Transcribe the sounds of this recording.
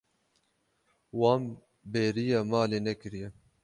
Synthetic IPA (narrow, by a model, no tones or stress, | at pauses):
wɑːm | beːɾijɑːmɑːleːnɛkɨɾijɛ